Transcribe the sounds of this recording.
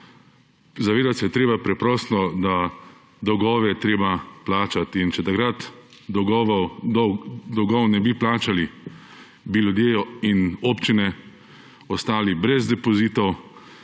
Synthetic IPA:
zaʋeːd̪at̪sɛjɛt̪ɾeːbapɾɛpɾɔːst̪nɔd̪a | d̪ɔwɡɔːʋɛjɛt̪ɾeːbaplaːt͡ʃat̪int͡ʃɛt̪akɾat̪ | d̪ɡɔʋd̪d̪ɔɡɔwnɛbiplaːt͡ʃali | bilʲjud̪jeːinoːpt͡ʃinɛ | ɔst̪aːlibɾɛzd̪ɛpɔziːt̪ɔw

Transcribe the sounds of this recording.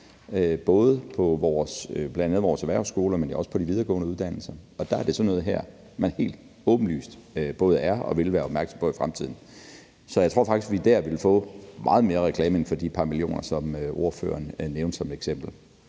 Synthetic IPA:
øb̥ɔ̽ːð̞ˠpʰɒ̽ʋɒːsb̥læɛnd̥ænð̩ˠʋɒːsæʋæɐʊsɡ̥o̝ːləmenɒ̽sə̥pʰɒ̽d̥iʋið̞ˠɐːɡɔ̰̽ːnəuð̞ˠd̥æn̰l̩sɐɒ̽d̥æɑ̈æɐd̥e̝sɒnɔːð̞̩ˠɦæɐ̰ | mænhe̝̰ːld̥ | ɔ̽ːb̥n̩ly̰ːsd̥b̥ɔ̽ːð̞ˠəæɐɒ̽ʋe̝lʋæːɐɒb̥mæɐɡ̥sɒ̽mpʰɒ̽ifʁamt͡sʰið̞̰ˠn̩ | sɒjaɪt͡sʰʁo̝ɐfɑ̈ɡ̥d̥isɡʋid̥æɐ̰ʋe̝lfɔ̰̽ːmʔɑ̈ːð̞̩ˠme̝ːɐʁɛkʰlɛːme̝nfɒ̽d̥ipʰɑ̈milio̝̰ːnɐsɒ̽møʔo̝ɐfø̰ːɐnneʊnd̥sɒ̽med̥eɡ̥sem̰b̥l̩

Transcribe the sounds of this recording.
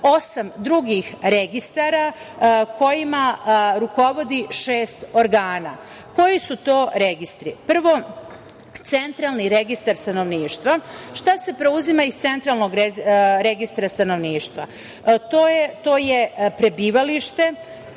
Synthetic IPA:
o̞samd̪ɾuɡixɾeɡist̪aɾako̞jimaɾuko̞ʋo̞d̪iʃe̞ːst̪o̞ɾɡaːna̰ | ko̞jisut̪o̞ːɾeɡist̪ɾipr̩ʋo̞ | t̪se̞nt̪ɾalˠniɾe̞ɡist̪aɾst̪ano̞ʋniːʃt̪ʋaʃt̪ase̞pɾe̞uzimaist̪se̞nt̪ɾalˠno̞ɡɾeɾe̞ɡist̪ɾast̪ano̞ʋniːʃt̪ʋa | t̪ojt̪o̞ːje̞pɾe̞biːʋaliʃt̪e̞

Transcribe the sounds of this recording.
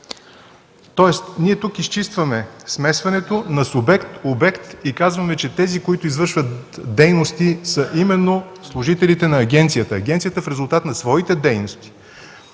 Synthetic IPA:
t̪ɔɛst̪niɛt̪ukist͡ʃist̪vɐmɛsmɛsvɐnɛt̪onɐsubɛkt̪obɛkt̪ikazvɐmɛt͡ʃɛt̪ɛzikoit̪ʊizvɤɾʃvət̪d̪ɛjnost̪isəʔimɛnːo | slˠʊʒit̪ɛlit̪ɛnɐːɡʲɛnt̪sijət̪əːɡʲɛnt̪sijət̪əfɾɛzʊlˠt̪at̪nɐsvɔit̪ɛd̪ɛjnost̪i̥

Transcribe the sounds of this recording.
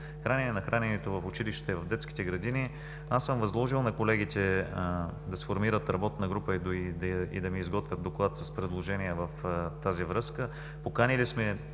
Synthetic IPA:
xɾanʲɛnɛnɐxɾanɛnɛt̪ovɐfʊt͡ʃiliʃt̪ɛvɐvd̪ɛt̪ski̥t̪ɛɡɾɐd̪ini | asɤmvɐzlˠɔʒilˠnɐkolɛɡit̪ɛ | d̪ɐsfoɾmiɾət̪ɾɐbɔt̪nɐɡɾupəid̪oid̪ḭd̪ɐmiːzɡɔt̪vʲjət̪̚d̪oklˠat̪sɐspɾɛd̪lˠoʒɛniɛvɐft̪azivɾɤskə | pokanilismɛ

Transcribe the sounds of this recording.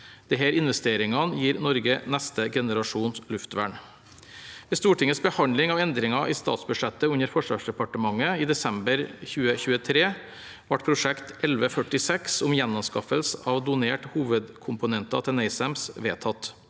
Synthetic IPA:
d̪̥ɛɦæːɾɪnʋɛst̪eːɾɪŋɑnjiːɾnɔɾɡənɛst̪əɡɛnəɾɑʂuːnslʉft̪ʋæ̰ːɳ | ʋɛːst̪uːʈʰɪŋəsbəhɑnlɪŋɑːʋɛnd̪ɾɪŋɑʔiːst̪ɑ̰ːt̪sbʉʂɛt̪ːəʉnəɾfɔʂʋɑ̰ːʂd̪ɛpɑʈəmɑŋːəiːd̪ɛsɛmbəɾçʉːəçʉːət̪ʰɾeː | ʋɑʈpʰɾʊʂɛkt̪ɛlʋəfœʈɪsɛksʊmjɛnːɔmskɑfəlsəʔɑːʋd̪ʊneːʈhuːʋəd̪kʰʊmpʊnɛnt̪ɑt̪ʰɛnæɪsæmsʋeːt̪ʰɑt̪

